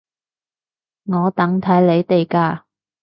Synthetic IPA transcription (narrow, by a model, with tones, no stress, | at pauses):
ŋɔː˨˧t̪ɐ˨˥ŋt̪ʰɐ˨˥jle˨˧jt̪e˨jkaː˧